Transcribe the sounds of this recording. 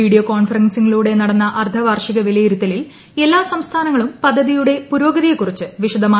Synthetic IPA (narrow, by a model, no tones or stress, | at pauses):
iːɽijokoːnfɐrɐnsiŋːɐɭuːɽe̞nɐɽɐnːɐʔɐrt̪ʰɐʋaːrʂiɣɐʋilɐjiɾut̪ːɐlil | e̞lːaːsɐmst̪ʰaːnɐŋːɐɭumpɐd̪ʱːɐðijuɽe̞puɾoːɡɐðijekːurit͡ɕːɨʋiʂɐd̪ɐmaː